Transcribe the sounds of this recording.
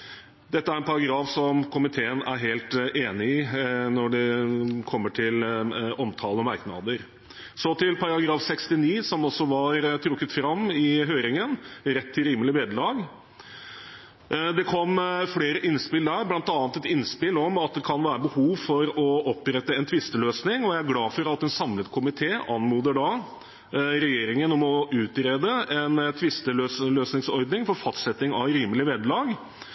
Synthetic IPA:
d̪ɛt̪ːəæɾɛnpʰɑɾɑɡɾɑːfsɔmkʰʊmɪt̪ʰeːənæ̰ɾɦeːlt̪ʔeːnɪɪnɔɖɛkʰɔmːəʈʰɪlɔmt̪ʰɑːləɔmɑɾknɑ̰d̪əɾ | sɔt̪ʰɪlpʰɑɾɑɡɾɑːfsɛkst̪ɪniːsɔmɔsːɔʋɑɾt̪ʰɾʊkːət̪fɾɑmːɪɦøːɾɪŋənɾɛt̪ʰːɪlɾiːməlɪʋeːd̪əlɑːɡ | d̪ɛkʰɔmfleːɾəʔɪnspɪld̪æɾblɑnt̪ɑːnt̪ɛt̪ɪnspɪlɔmɑt̪̚d̪ɛkʰɑnʋæːɾəbəhuːʋfɔɾɔɔpːɾɛt̪ːəɛnt̪ʰʋɪst̪əløːsnɪŋɔjæɪæɾɡlɑːfɔɾɑt̪ːɛnsɑmlət̪kʰʊmɪt̪ʰeːʔɑnmuːd̪əɖɑ | ɾɛjeːɾɪŋənɔmɔʉːt̪ɾeːd̪əɛnt̪ʰʋɪst̪əløːsløːsnɪŋsɔɾd̪nɪŋfɔɾfɑst̪sɛt̪ːɪŋɑʋɾiːməlɪʋeːd̪əlɑːɡ

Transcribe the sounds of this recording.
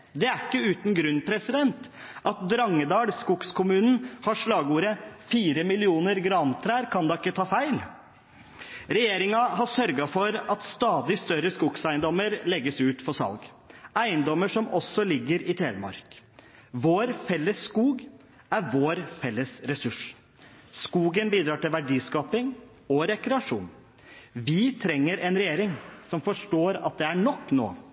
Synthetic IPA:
d̪ɛæɾɪkːəʉːt̪n̩ɡɾʉnːpʰɾɛsɪd̪ɛnt̪ʔɑt̪̚d̪ɾɑŋːəd̪ɑːɽskuɡskʰʊmʉːnn̩hɑʂɭɑːɡuːɾəfiːɾəmɪlɪuːnəɾɡɾɑnt̪ʰɾæːɾkʰɑnd̪ɑɪkːət̪ʰɑːfæɪl | ɾɛjeːɾɪŋɑɦɑʂœɾɡɑfɔɾɑt̪st̪ɑːd̪ɪst̪œɾəskʊɡsæɪənd̪ɔməɾlɛɡːəsʉːt̪fɔsɑ̰lɡ | æɪənd̪ɔmːəʂɔmɔsːɔlɪɡːəɾɪt̪ʰeːʋəmɑ̰ɾk | ʋoːɾfɛlːəsːkuːɡ | æɾʋoːɾfɛlːəsɾɛsʉʂ | skuːɡənbiːd̪ɾɑːʈɪlʋæɖiːskɑːpɪŋ | ɔɾɛkɾɛɑʂṵːn | ʋɪt̪ʰɾɛŋːəɾʔɛnɾɛjeːɾɪŋsɔmfɔʂʈoːɾɑ̰t̪̚d̪ɛæɳɔkːno̰ː

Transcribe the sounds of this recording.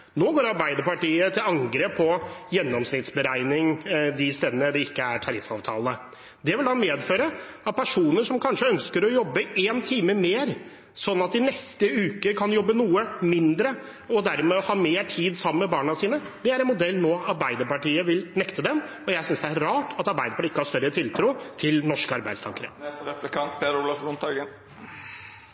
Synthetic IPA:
noːɡoːɾɑɾbæɪd̪əɾpɑʈiːət̪ʰɪlɑŋɡɾeːpʰːɔjɛnːɔmsnɪt̪sbəɾæɪnɪŋd̪ɪst̪eːd̪ənəd̪ɛɪkːəæʈʰɑɾɪfɑ̰ːʋt̪ʰɑ̰ːlə | d̪ɛʋɪld̪ɑmeːd̪føːɾəɑpʰæʂuːnəʂɔmkʰɑnʂəœnskəɾɔjɔbːəeːnt̪ʰiːməmeːɾ | sɔnːɑt̪̚d̪ɪnɛst̪əʉːkəkʰɑnjɔbːənuːəmɪnd̪ɾə | ɔd̪æɾmɛːɔhɑːmeːʈʰiːd̪sɑmːəmɛbɑːɳɑsiːnə | d̪ɛæɾɛnmʊd̪ɛlːnoːɑɾbæɪd̪əɾpɑʈiːəʋɪlnɛkt̪əd̪ɛm | ɔjæɪsʏnsd̪ɛæɾɾɑːʈʰɑt̪ɑɾbæɪd̪əpʰɑʈːɪkːəhɑɾʂst̪œɾət̪ʰɪlt̪ʰɾuːt̪ʰɪlnɔʂkəɑɾbæɪst̪ʰɑ̰ŋkəɾə̰ɾɛplɪkɑnt̪pʰeɾʊlɑfunt̪ʰɑɡən

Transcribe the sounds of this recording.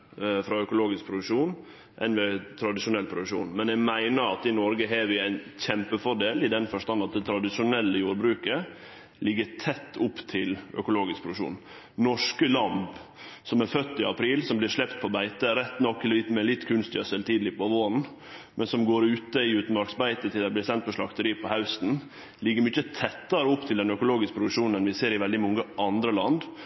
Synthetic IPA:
fɾɑœkʊloːɡɪsk̚pʰɾʊd̪ʉkʂuːn | ʔɛ̰nʋɛːt̪ʰɾɑd̪ɪʂʊnɛlpʰɾʊd̪ʉkʂṵːnmɛnɛɡmæɪnəɾɑt̪ɪnɔɾɡəɦeɾʋɪæɪnçɛmpəfɔɖeːlɪd̪ɛnfɔʂt̪ɑnɑt̪̚d̪ɛt̪ʰɾɑd̪ɪʂʊnɛlːəjuːɾbɾʉːkə | lɪɡːəɾt̪ʰɛt̪ʰːʊpːt̪ʰɪlœ̰kʊloːɡɪskpʰɾʊd̪kʂṵːn | nɔʂkəlɑnbsɔmæɾfœt̪ːɪɑpʰɾiːlsɔmblɪɾʂɭɛpt̪pʰɔbæɪt̪əɾɛt̪ːnɔkːɪlɪt̪mɛlɪt̪ːkʰʉnst̪ɪɑsɛlt̪ʰiːd̪lɪpɔʋoːnn̩ | mʔɛnsɔmɡoːɾʉːt̪əɪʉːt̪n̩mɑɾksbæɪt̪ət̪ʰɪld̪æɪblɪɾsɛnt̪̚pɔʂɭɑkt̪əɾiːpʰɔhɑʉst̪n̩ | lɪɡːəɾmʏçət̪ʰɛt̪ːɑɾəʊpt̪ʰɪld̪ɛnœkʊloːɡɪskəpɾʊd̪ʉʂuːnənʋɪseːɾɪʋɛld̪ɪmɔŋːəʔɑnd̪ɾəlɑnd̪

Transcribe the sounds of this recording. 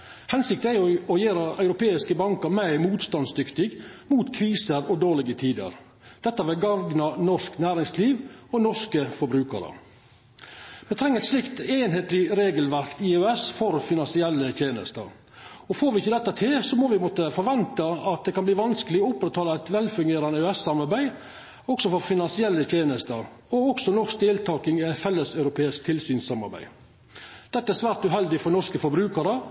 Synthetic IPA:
hɛnsɪkt̪næjʊɔjeːɾɑœʉɾʊpeːɪskəbɑŋkəɾmæɪmuːt̪st̪ɑnsd̪ʏkt̪ɪɡmuːt̪kʰɾiːsəɾɔd̪oːlɪɡət̪ʰiːd̪ə̰ɾ | d̪̥ɛt̪ːɑʋɪlɡɑʋɡnɑnɔʂknæːɾɪŋsliːʋɔnɔʂkəfɔbɾʉːkə̰ɾə̰ | mɛt̪ʰɾɛŋːəɛt̪slɪkt̪eːnɦeːt̪lɪɾeːɡəlʋæɾkt̪iːøɛsfɔɾfɪnɑnsɪɛlːət̪jeːnə̰st̪ə̰ɾ | ɔfoːɾʋɪɪçːəd̪ɛt̪ːət̪ʰɪlsɔmɔːʋɪmɔːt̪əfɔɾʋɛnt̪ɑɑt̪̚d̪ɛkʰɑnbliːʋɑnskəlɪɔʊpːɾɛt̪ʰːɑːlɑæɪt̪ʋɛlfʉŋɡeːɾɑnəʉɛsːɑmɑɾbæɪ | ɔksɔfɔɾfɪnɑnsɪɛlːət̪ʰeːnəst̪əɾ | ɔɔksɔnɔʂk̚d̪eːlt̪ʰɑːkɪŋæt̪fɛlːəsœʉɾʊpʰeːɪsk̚t̪ʰɪlsyːnsɑmɑ̰ɾbæ̰ɪ | d̪̥ɛt̪ːəæɛsʋæːɾt̪ʉːɦɛld̪ɪfɔnɔʂkəfɔɾbɾʉːkəɾə

